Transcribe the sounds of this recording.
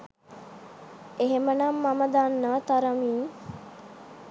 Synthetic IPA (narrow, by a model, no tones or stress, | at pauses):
eɦemənamːaməd̪anːət̪aɾəmiːŋ